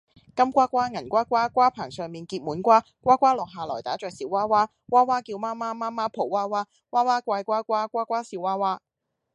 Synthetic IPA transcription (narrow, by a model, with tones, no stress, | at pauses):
kɐ˥mkʷaː˥kʷaː˥ŋɐ˨˩nkʷaː˥kʷaː˥kʷaː˥pʰaː˨˩ŋsœː˨˩ŋmiː˨nkiː˧t̚muː˨˥nkʷaː˥ | kʷaː˥kʷaː˥lɔː˨k̚ɦaː˨˩lɔː˨˩jt̪aː˨˥t͡ʃœː˨k̚siː˨˥waː˥waː˥ | kwaː˥waː˥kiː˧wmaː˥maː˥maː˥maː˥pʰo˨˩waː˥waː˥ | waː˥waː˥kʷaː˧jkʷaː˥kʷaː˥kʷaː˥kʷaː˥siː˧˥waː˥waː˥